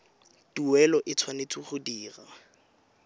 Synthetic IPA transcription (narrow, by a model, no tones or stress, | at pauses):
tuwɛlɔʔɪt͡sʰwanet͡sʼuχʊdiːra